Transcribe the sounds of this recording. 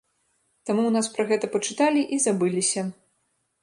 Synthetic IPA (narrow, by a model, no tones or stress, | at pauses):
t̪amuwnaspɾɐɣɛt̪ɐpɐt͡ʂɨt̪alʲiʔizabɨlʲisʲɐ